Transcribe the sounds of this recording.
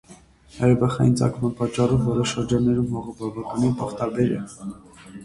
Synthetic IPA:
hɑɾɛbɑχɑ̰jint͡sɑ̰kʰmɑnpɑt͡ʃːɑrɔvːɔɾəʃəɾd͡ʒɑnːɛɾumhɔʁəbɑvɑkɑnipɑχt̪ɑɾbɛɾɛ̰l

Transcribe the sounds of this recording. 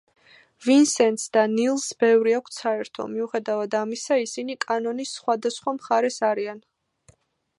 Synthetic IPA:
vinsɛnt̪sd̪anilˠsbɛvɾiakʷʰt̪sʰaɛɾt̪ʰɔ̰miuχɛd̪avad̪amisaisinikʼanɔnisːχwad̪asχwamχaɾɛsaɾian

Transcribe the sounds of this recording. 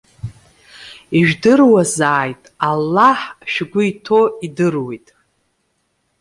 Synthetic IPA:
iʒᶣdɨrwazaːjtʼalːaħʃᶣɡʷʊitʰoidɨrwijtʼ

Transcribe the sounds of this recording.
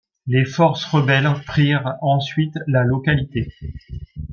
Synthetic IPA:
lefɔʁsʁəbɛlpχiʁɑ̃sɥit̪lalɔkalit̪e

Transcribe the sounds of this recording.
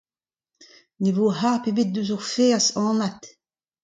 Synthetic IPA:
nevoːɦapebet̪̚døzuʁfesɑ̃ːnat̪

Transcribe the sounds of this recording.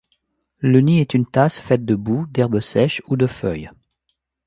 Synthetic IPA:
ləniɛt̪ynt̪asfɛt̪̚d̪əbud̪ɛʁbəsɛʃud̪əfœj

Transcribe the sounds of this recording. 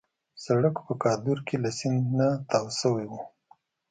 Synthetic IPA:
saɽəkpəkɑd̪uɾkelasɪnd̪nat̪ɑwsəwewu

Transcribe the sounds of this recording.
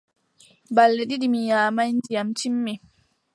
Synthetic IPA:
balːɛɗiɗimijaːmajnd͡ʒijamt͡ʃimːɛ

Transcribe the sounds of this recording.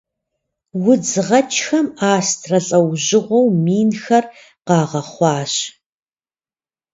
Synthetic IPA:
wʊd͡zɨʁɐt͡ʃʰʼxɐmaːstʰrɐɬʼɐwʑɪʁʷɔwmiːnxɐr | qɑːʁɐχʷɑːɕ

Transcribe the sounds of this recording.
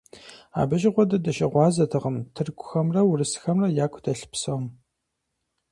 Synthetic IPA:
a̰ːbɐʒɪʁʷɔdɐdɐʃɐʁʷɑːzɐtʰɨʁəmtʰɨrkʷʰʼʊxɐmrɐwʊrɨsxɐmrɐjaːkʷʰʊdɐɬpsɐm

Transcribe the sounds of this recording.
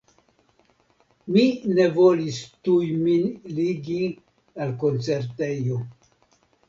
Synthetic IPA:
mine̞volistujminliɡi | alko̞nt͡se̞ɾtejo

